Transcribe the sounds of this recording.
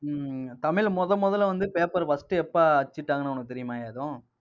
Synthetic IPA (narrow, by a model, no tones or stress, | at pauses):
t̪ɐmɪɭmɔðɐmːɔðɐlʋɐnd̪ɯpeːpɐɾbɐsʈɯɛpːaɐt͡ʃːɪʈːaːŋɡɐnaːɔnɐkːɯt̪ɛɾɪjɐmaːjaːðõː